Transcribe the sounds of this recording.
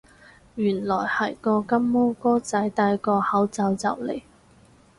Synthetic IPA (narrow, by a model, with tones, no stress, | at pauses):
jyː˨˩nlɔː˨˩jhɐ˨˩jkɔː˧kɐ˥mːɔː˥kɔː˥t͡sɐ˨˥jt̪aː˧jkɔː˧hɐ˨˥wt͡sɐ˧wt͡sɐ̰˨wlḛ˨˩j